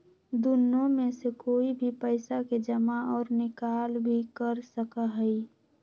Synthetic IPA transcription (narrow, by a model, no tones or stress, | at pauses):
d̪ʊnːõmẽsekoːibʱipəɪsaked͡ʒəmaɔːɾnɪkaːlbʱikəɾsəkaɦɛi